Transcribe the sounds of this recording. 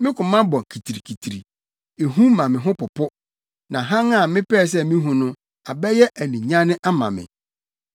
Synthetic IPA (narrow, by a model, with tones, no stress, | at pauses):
mɪ̃˦kʰʊ̃˨mã˦bɔ̃˨kʰi˨tʰi˨ɾi˨kʰi˨tʰi˨ɾi˨ | e˨ɦũ˦mã˨mɪ̃˨ɦʊ̃˦pʊ˨pʰʊ˦ | nã˨ɦã˦ŋa˨mɪ̃˦pɛː˦˨s̬ɛ˦mĩ˦ɦũ˨nʊ̃˦ | a˨bɛ˦jɛ˦ʔæ˨nĩ˨ɲã˦nɪ̃˦ʔa˦mã̰˨mɪ̰̃˨